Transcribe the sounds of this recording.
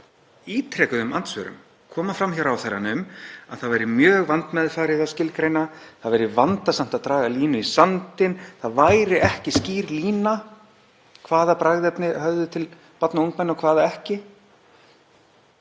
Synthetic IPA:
iːt̪ʰɾɛːkʏðʏmant̪svœ̰ɾʏ̰m | kʰɔːmafɾamçawɾawθɛɾa̰nʏma̰ðθaðvajɾɪmjœːɣvant̪mɛðfaːɾɪðascɪlkɾeːjnaθaðvɛjɾɪvant̪asam̥t̪aðt̪ɾaːɣaliːnʏisant̪ɪnθaðvaːjɾɪɛhcɪsciːɾliːna | kʰvaːðapɾaɣðɪɛpnɪhœvðʏt̪ʰɪl | pɔt̪nauŋkmɛnːɔkʰv̥aːðaɛhcɪ

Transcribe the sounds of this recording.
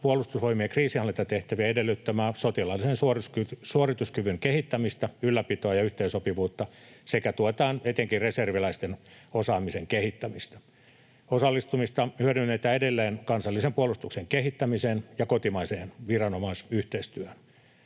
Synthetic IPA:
puolˑust̪usʋoimiekriːsiɑlːet̪ɑt̪eht̪æʋiɑedelːyt̪ːæmæːsot̪ilɑlːisensuorskysuorit̪uskyʋyŋkehit̪ːæmist̪æylːæpit̪oɑjɑyht̪eisopiʋuːt̪ːɑsekæt̪uot̪ɑːnet̪eŋkireserʋilæist̪enosɑːmiseŋkehit̪ːæmist̪æ̥ | osɑlːist̪umist̪ɑhyøɾynːeit̪æedelːeːnkɑnsɑlːisempuolust̪ukseŋkeɦit̪ːæmisenjɑkot̪imɑiseːnʋirɑnomɑisyht̪eist̪yøhøn

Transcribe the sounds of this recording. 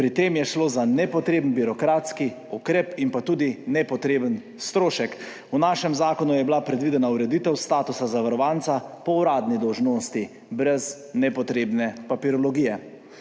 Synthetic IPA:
pɾit̪eːmjɛʃloːzanɛpɔt̪ɾeːbənbiɾɔkɾat̪ski | ukɾeːpinpat̪uːd̪inɛpɔt̪ɾeːbən | st̪ɾoːʃɛk | unaːʃɛmzaːkɔnujɛblapɾɛd̪ʋid̪ɛnauɾɛd̪iːt̪ɛwst̪aːt̪usazaʋaɾɔʋant̪sapɔuɾaːd̪nid̪ɔwʒnoːst̪i | bɾɛz | nɛpɔt̪ɾeːbnɛpapiɾɔlɔɡiːjɛ

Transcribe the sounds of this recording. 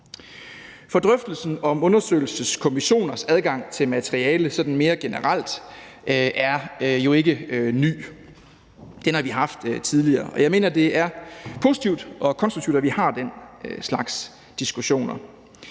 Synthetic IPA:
fɒ̽d̥ʁœfd̥l̩sn̩ɒ̽mɔ̽nɐsø̰ɪl̩səskʰo̝miɕo̝̰ːnɐsæð̞ˠɡ̥ɑ̈ŋ̰t͡sʰe̝lmæt͡sʰeʁiɛːləsɒ̽d̥n̩me̝ːɐɡ̥e̝nəʁal̰d̥ | ʔʔæɐjo̝e̝ɡ̥əny̰ː | d̥enhɑ̈ʋiɦɑ̈fd̥t͡sʰið̞ˠliɐːɒ̽jɑ̈ɪme̝̰ːnɐd̥e̝æɐpʰo̝ːsi̥t͡sʰiʊd̥ʔɒ̽kʰɒ̽nsd̥ʁuk̚t͡sʰiʊd̥æʋihɑ̈d̥en̰slɑ̈ɡ̥s | d̥isɡ̥uɕo̝̰ːnɐ

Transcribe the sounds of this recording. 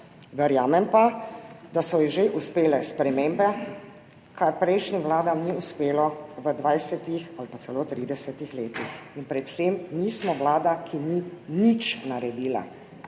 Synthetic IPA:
ʋɛɾjaːmɛmpad̪asɔjɛʒeʔuspeːlɛspɾɛmeːmbɛ | kaɾpɾɛjʃnimʋlaːd̪amniuspeːlɔʋəd̪ʋajsɛt̪ixalpat̪sɛloːt̪ɾiːd̪ɛsɛt̪ixleːt̪ixinpɾɛt̪w̥semniːsmɔʋlaːd̪akʰininit͡ʃnaɾɛd̪iːla̰

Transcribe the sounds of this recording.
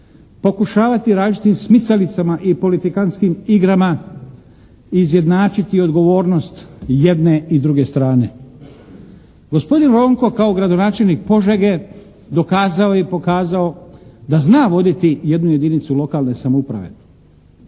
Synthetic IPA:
po̞kuʃaːʋat̪iɾaːd͡ʒit̪imsmit̪salit̪samaʔipo̞lit̪ikanskimiɡɾama | iːzje̞d̪naːt͡ʃit̪io̞d̪ɡo̞ʋo̞ːɾno̞st̪je̞d̪ne̞id̪ɾuɡe̞st̪ɾaːne̞ | ɡo̞spo̞d̪inɾo̞ːŋko̞kao̞ɡɾad̪o̞naːt͡ʃe̞lnik̚po̞ʒeɡe̞ | d̪o̞kaːzao̞ipo̞kaːzao̞d̪aznaːʋo̞d̪it̪ije̞d̪nuje̞d̪init̪sulo̞kaːlˠne̞samoupɾa̰ʋe̞̰

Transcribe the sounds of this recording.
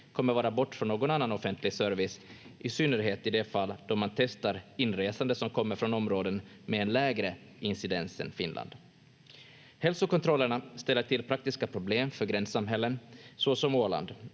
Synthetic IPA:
kʰɔmːəɾvɑːɾabɔʈːfɾɔnːoːɡɔnanːanɔfɛnt̪ʰlɪɡsœɾvɪsʔɪsʏnːəɾɦeːt̪ɪd̪ɛfalːd̪̥ɔmant̪ʰɛst̪aɾɪnːɾeːsand̪əsɔmkʰɔmːəɾfɾɔnɔmɾoːd̪ən | mɛɛnlɛːɡɾə | ɪnsɪd̪ɛnsə̰nfɪnlʔa̰nd̪̥ | hɛlsʊkɔnt̪ʰɾɔlːəɳast̪ɛlːəʈʰɪlpʰɾak̚t̪ɪskapʰɾʊbleːmfœɾɡɾɛnsamɦɛlːənsɔsɔmoːɭa̰nd̪

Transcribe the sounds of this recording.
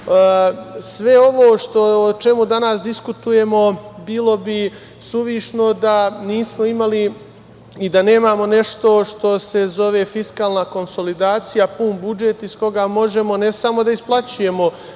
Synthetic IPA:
sʋe̞o̞ʋoːʃt̪o̞ot͡ʃe̞mud̪anasd̪iskut̪uje̞mo̞biːlˠo̞bi | suʋiːʃno̞d̪aniːsmo̞imali | id̪ane̞ːmamo̞ne̞ʃt̪o̞ʃt̪o̞se̞zo̞ʋe̞fiskaːlˠnako̞nso̞lid̪aːt̪sijapunbud͡ʒe̞t̪isko̞ɡamo̞ʒe̞mo̞ne̞samo̞d̪aisplˠat͡ɕuje̞mo̞

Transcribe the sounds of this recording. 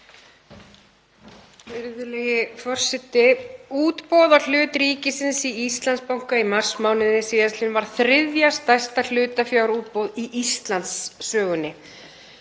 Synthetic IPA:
fɪɾðʏlɛjɪfɔr̥sɛt̪ːɪuːt̪pɔːðḁl̥ʏːt̪ɾiːcɪsɪnsiist̪lanspawŋ̥kaimar̥smaːwnɪðɪsiːðast̪lɪnvaɾ̥θɾɪðjast̪ajst̪al̥ʏːt̪afjawɾuːt̪̚powðiʔist̪lant̪sːœːɣʏnːɪ

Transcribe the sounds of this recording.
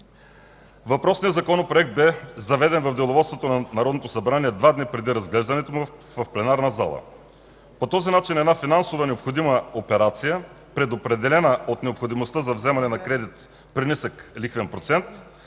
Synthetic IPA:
vɐpɾɔsnijəzɐkɔnopɾoɛk̚t̪̚bɛzɐvɛd̪ɛnvɐvd̪ɛlˠovɔt̪st̪vot̪onɐnɐɾɔd̪not̪osɐbɾaniɛd̪vad̪nipɾɛd̪iɾɐzɡlɛʒd̪ɐnɛt̪omu | vɐfplɛnaɾnɐza̰lˠə̰ | pot̪ɔzinat͡ʃinɛd̪nafinansovənɛopxod̪iməopɛɾat̪sijə | pɾɛd̪opɾɛd̪ɛlɛnəot̪nɛopxod̪imost̪əzɐvzɛmɐnɛnɐkɾɛd̪it̪ | pɾinisəklixvɛnpɾot̪sɛnt̪

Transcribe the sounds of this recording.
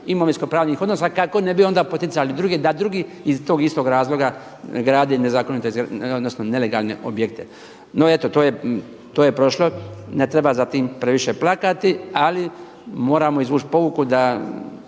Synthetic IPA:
imoʋiskopɾaːʋnixod̪nosakako̞ne̞bio̞nd̪apot̪it̪salid̪ɾuɡed̪ad̪ɾuɡiːizt̪oːɡist̪o̞ːɡɾaːzlˠo̞ɡa | ɡɾaːd̪ene̞zaːko̞nit̪eɡod̪nosnone̞leɡa̰ːlˠne̞̰ʔo̰bjekt̪e̞ | no̞e̞t̪ot̪oːje | t̪oːjepɾo̞ʃlo̞net̪ɾe̞bazat̪iːmpɾe̞ʋiʃeplakat̪iali | mo̞ːɾamo̞izʋuːt͡ʃpo̞ʋukud̪a

